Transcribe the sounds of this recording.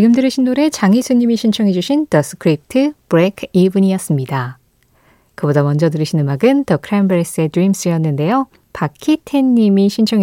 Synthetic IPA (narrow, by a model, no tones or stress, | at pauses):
t͡ɕiɡɯmdɯɾɯɕʰinːoɾe̞t͡ɕaŋisʰuɲːimiɕʰint͡ɕʰʌŋɦe̞d͡ʑuɕʰintʌs͈ʰɯ̥kʰɯɾip̚ʰtʰɯbɯɾekʰibɯɲijʌs͈ɯmɲida | kɯbodamʌnd͡ʑʌdɯɾɯɕʰinɯmaɡɯntʌkʰɾambɯɾes͈ɯe̞dɾims͈ɯjʌnːɯnde̞jo | pakʰitʰeɲːimiɕʰint͡ɕʰʌŋe